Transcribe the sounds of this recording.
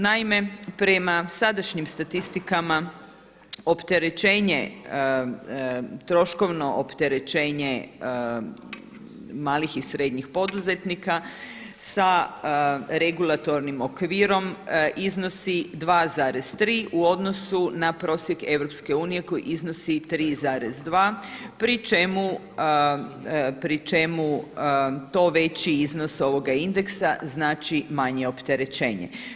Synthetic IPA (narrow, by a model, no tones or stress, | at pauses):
naime̞pɾe̞masad̪aʃɲimst̪at̪ist̪ikama | opt̪e̞ɾe̞t͡ʃe̞ːɲe | t̪ɾo̞ʃko̞ʋno̞ʔopt̪e̞ɾe̞t͡ʃe̞ːɲe̞ | maːlixisɾe̞d̪ɲixpo̞d̪uze̞t̪nika | sa | ɾe̞ɡulˠat̪o̞ɾnimokʋiːɾo̞mʔizno̞sid̪ʋaːzaːɾez̥t̪ɾiːʔuo̞d̪no̞sunapɾo̞ːsje̞ke̞ʋɾo̞pske̞uːnije̞ko̞jḭʔizno̞sit̪ɾiːzaːɾezd̪ʋaːpɾit͡ʃe̞mu | pɾit͡ʃe̞mu | t̪o̞ːʋe̞t͡ɕiizno̞so̞ʋo̞ɡaind̪eksaznaːt͡ʃimaɲeo̞pt̪e̞ɾe̞t͡ʃeːɲḛ